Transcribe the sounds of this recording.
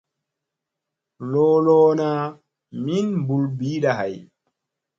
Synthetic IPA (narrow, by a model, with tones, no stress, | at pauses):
lɔː˦lɔː˦na˦ | mi˦nbu˨lbiː˦ɗaɦa˨j